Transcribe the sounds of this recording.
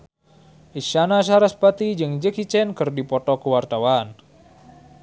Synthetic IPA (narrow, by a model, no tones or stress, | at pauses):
ʔiʃanaʃ̬aɾaspat̪id͡ʒɨŋd͡ʒəkit͡ʃɛnkɨrdipɔt̪ɔkəwart̪awan